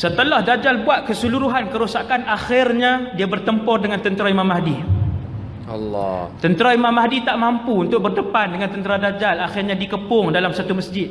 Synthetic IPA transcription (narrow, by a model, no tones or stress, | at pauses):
sət̪əlahdad͡ʒalbuat̪̚kəsuluɾuɦankəɾusakanaxɪrɲadiabərt̪əmpɔrdəŋant̪ənt̪əɾaimãmaɦdi | lt̪ənt̪əɾaimãmaɦdit̪aʔmampuunt̪ʊk̚bərdəpandəŋant̪ənt̪əɾadad͡ʒalaxɪrɲadikəpʊŋdalamsat̪uməsd͡ʒɪt̪̚